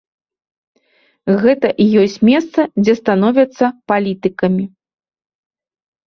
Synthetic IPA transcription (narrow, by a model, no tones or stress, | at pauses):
ɣɛt̪ɐʔijɔsʲt͡sʲmʲɛst̪sɐd͡zʲɛst̪anɔvʲɐt̪sːɐpalʲit̪ɨkɐmʲi